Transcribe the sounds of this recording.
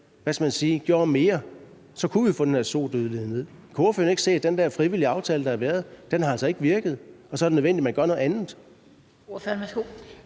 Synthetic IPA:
ʋæsɡ̥æmænsiːɡ̥joɐ̰me̝ːɐ | sɒ̽kʰuʋifɔd̥end̥æɐso̝̰ːd̥øðˠleðˠne̝ð̰ˠ | kʰo̝ːfø̰ɐne̝ɡ̥se̝̰ːd̥end̥æɐfʁiʋil̰iɑ̈ʊt͡sʰɛːləd̥ɑ̈æʋæːɐð̞̩ˠd̥enhɑ̈ælsɒ̽e̝ɡ̥əʋiɐɡ̥ð̞̩ˠɒ̽sɒ̽ɐd̥enøen̰di̥mænɡ̥ɶɐno̽ð̩ˠænð̩ˠ | fmæɡ̥o

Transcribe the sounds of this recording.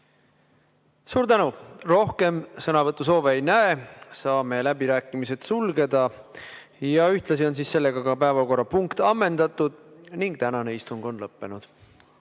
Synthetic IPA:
suːɾt̪ænuro̞hke̞msɤnɑvɤt̪ːˑus̬o̞ːveːjnæesɑːme̞læbiɾæːkːˑimise̞t̪sulɡe̞d̪̥ɑ | jɑyht̪lɑsio̞nsiːsːe̞lːe̞ɡ̥ɑɡɑpæevɑko̞rːɑpuŋkt̪ɑmːe̞nd̪ɑt̪ːˑud̪̥niŋɡ̥̚t̪ænɑne̞ist̪uŋɡ̥o̞nlɤpːe̞nud̪̥

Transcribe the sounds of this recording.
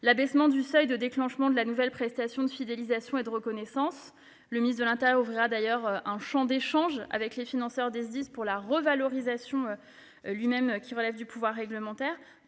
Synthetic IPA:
labɛsmɑ̃d̪ysœjd̪əd̪eklɑ̃ʃmɑ̃d̪əlanuvɛlpχɛst̪asjɔ̃d̪əfid̪elizasjɔ̃ed̪əʁəkɔnɛsɑ̃s | ləminist̪d̪əlɛ̃t̪eʁjɔʁufʁiʁad̪ajœʁɛ̃ʃɑ̃d̪eʃɑ̃ʒa̰vɛklefinɑ̃sœʁd̪ezd̪ispuʁlaʁəvalɔʁizasjɔ̃ø | lɥimɛmkʲiʁəlɛvd̪ypuvwaʁːɛɡləmɑ̃t̪ɛːʁ

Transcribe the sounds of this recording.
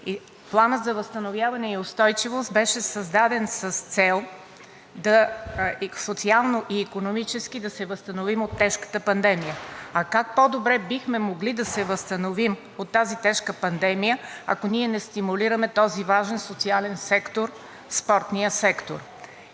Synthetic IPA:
i | plˠanət̪zɐvəst̪ɐnovjavɐnɛiost̪ɔjt͡ʃivost̪̚bɛʃɛsəzd̪ad̪ɛnsəst̪sɛlˠ | d̪ɐ | sot̪sialˠnoʔiːkonomit͡ʃɛskid̪ɐsɛvəst̪ɐnovimot̪ːɛʃkə̥t̪əpɐnd̪ɛmijəɐkak̚pod̪obɾɛbixmɛmoɡlid̪ɐsɛvəst̪ɐnovim | ot̪ːazit̪ɛʃkəpɐnd̪ɛmijəɐ̰koniɛnɛst̪imuliɾəmɛt̪ɔzivaʒɛnsot̪sialɛnsɛkt̪oɾ | spɔɾt̪nijəsɛkt̪oɾ

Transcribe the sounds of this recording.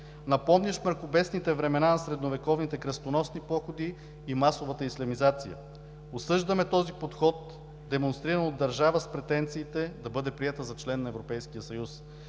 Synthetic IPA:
nɐpɔmnʲɛʃməɾxʊbɛsnit̪ɛvɾɛmɛnanɐsɾɛd̪novɛkɔvnit̪ɛkɾɐst̪onɔsnipɔxod̪iː | masovət̪əislɐmizat̪sijə̰ | osɤʒd̪ɐmɛt̪ɔzipot̪xɔt̪̚ | d̪ɛmonst̪ɾiɾənod̪ːɐɾʒavəspɾɛt̪ɛnt̪siːt̪ɛd̪ɐbɤd̪ɛpɾiɛt̪əzɐt͡ʃlɛnːɐɛvɾopɛjskijəsɐjus

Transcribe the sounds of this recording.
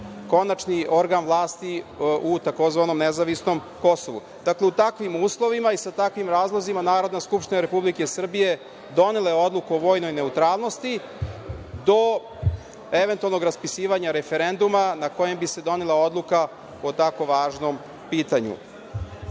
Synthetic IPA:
ko̞nat͡ʃnio̞ɾɡanʋlˠaːst̪iut̪ako̞zʋano̞mnezaʋisno̞m | ko̞so̞ʋṵ | d̪akle̞ut̪akʋimuːslˠo̞ʋimaisat̪akʋimɾaːzlˠo̞zimanaːɾo̞d̪naskupʃt̪inaɾe̞publikesr̩bije̞ | d̪o̞nelajeo̞d̪lˠukuoʋo̞ːjno̞jne̞ut̪ɾaːlˠnost̪i | d̪o̞ | eʋent̪ualno̞ɡɾaspisiːʋaɲaɾe̞fe̞ɾe̞nd̪umanako̞je̞mbise̞d̪o̞nelao̞d̪lˠuka | ot̪ako̞ʋaːʒno̞m | piːt̪aɲṵ

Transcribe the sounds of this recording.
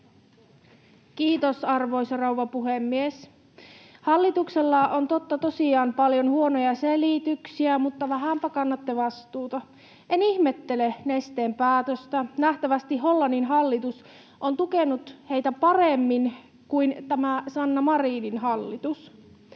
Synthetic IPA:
kiːt̪osɑrʋo̞isɑrɑwʋɑpuhemːies | hɑlːit̪ukselːɑont̪o̞t̪ːɑt̪o̞siɑːmpɑljo̞nhuonojɑselit̪yksiæmut̪ːɑʋæɦæmpækɑnːɑt̪ːeʋɑst̪uːt̪ɑ | enihmet̪ːelenest̪eːmpæːt̪øst̪ænæht̪æʋæst̪iɦo̞lːɑnːinɦɑlːit̪us | ʔont̪ukenut̪he̞jt̪æpɑremːin | kuint̪æmæsɑnːɑmɑriːninɦɑlːit̪us

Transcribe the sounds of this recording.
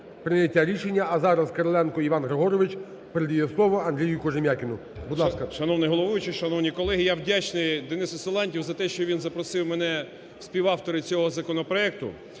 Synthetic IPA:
pɾɪnʲjɐtʲːaɾʲiʃenʲːɐːzɑɾɐzkɐɾɔlˠɛnkɔiʋɑnɦɾeɦɔɾɔʋɪt͡ʃ | peɾed̪jijɛslˠɔʋɔɐnd̪ɾʲijʊkɔʒemʲjakʲɪnʊ | bud̪lˠɑskɐʃɐnɔwnɪjɦɔlˠɔʋʊjʊt͡ʃɪʃɐnɔwnʲikɔlˠɛɦijawdʲat͡ʃnɪjd̪ɪnɪsʊselˠɑnʲtʲiwzɐt̪ɛʃt͡ʃɔʋʲinzɐpɾɔsɪwmɛnɛ | sʲpʲiwɑwt̪ɔɾɪt͡sʲɔɦɔzɐkɔnɔpɾɔɛk̚t̪ʊ̰

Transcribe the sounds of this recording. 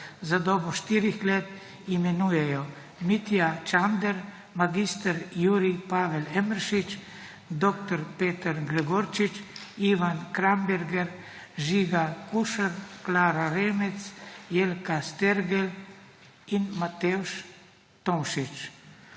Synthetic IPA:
zad̪ɔːbɔʃt̪iːɾixleːt̪ | imɛnujɛjɔ | mit̪jat͡ʃand̪ɛɾ | maɡist̪əɾjuːɾipaːʋɛlɛməɾʃit͡ʃ | d̪ɔkt̪ɔɾpeːt̪əɾɡɾɛɡoɾt͡ʃit͡ʃiʋankɾambɛɾɡɛɾ | ʒiɡakuʃəɾklaːɾaɾeːmɛt̪sjelkast̪ɛɾɡɛl | inmat̪ɛuʃ | t̪onʃit͡ʃ

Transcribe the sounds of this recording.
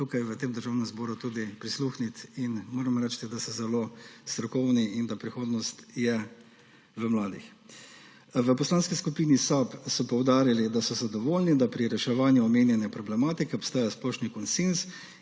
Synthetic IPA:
t̪ukajʋət̪eːmd̪əɾʒaːwnɛmzbɔːɾut̪uːd̪ipɾisluːxnit̪inmoːɾɛmɾɛt͡ʃt̪id̪asɛzɛloːst̪ɾɔkɔwniind̪apɾixoːd̪nɔst̪jɛ | ʋəmlaːd̪ḭx | ʋəpɔslaːnskiskupiːnisapsɔpɔwd̪aːɾilid̪asɔzad̪ɔʋoːlnid̪apɾiɾɛʃɛʋaːnjuɔmeːnjɛnjɛpɾɔblɛmaːt̪ikɛɔpst̪aːjasplɔʃnikɔnsens

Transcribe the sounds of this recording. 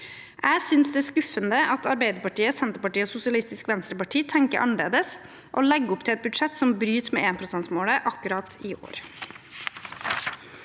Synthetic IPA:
ʔæːsʏnsd̪ɛːskʉfənd̪əʔɑt̪ʰɑɾbeɪd̪əɾpɑʈiːəsɛnt̪əɾpɑʈiːəoːsʊsɪɑlɪst̪ɪskʋɛnst̪ɾəpɑʈʰiːt̪ʰɛŋkə̰ɾʔɑ̰nəɭḛːd̪əs | ʔoːlɛɡːʊpt̪ʰɪlɛt̪̚bʉd̪ʂɛt̪sɔmbɾyːt̪mḛːeːnpʰɾʊsɛnt̪smoːɽəʔɑkʉɾɑt̪ɪʔo̰ːɾ

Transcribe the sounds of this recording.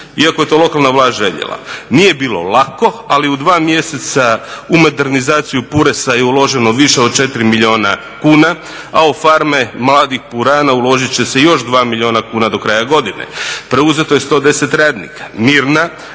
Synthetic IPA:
iako̞je̞t̪o̞ːlˠo̞kalˠnaʋlaːʒe̞ʎḛla̰nije̞biːlo̞̰lako̞aliud̪ʋaːmje̞set̪saumo̞d̪e̞ɾnizaːt̪sijupuɾesajeulˠo̞ʒe̞noʋiʃeod̪̚t͡ʃe̞t̪iɾimilio̞ːna̰ | kuːna | aofaɾme̞mlˠaːd̪ixpuɾaːnaulˠo̞ʒit͡ɕe̞sejo̞ʃd̪ʋaːmilʲio̞ːnakuːnad̪o̞kɾajaɡo̞d̪inḛpɾe̞uze̞t̪o̞je̞st̪o̞ːd̪e̞se̞t̪ɾaːd̪nḭkḁmiːɾna

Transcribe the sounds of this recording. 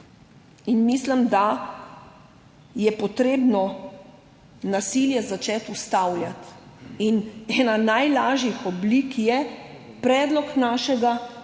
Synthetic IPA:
inmislimd̪a | jɛpɔt̪ɾeːbnɔ | nasiljɛzat͡ʃɛt̪ust̪awlʲjat̪inɛːnanajlaːʒixɔblikjɛpɾɛːd̪lɔknaːʃɛɡa

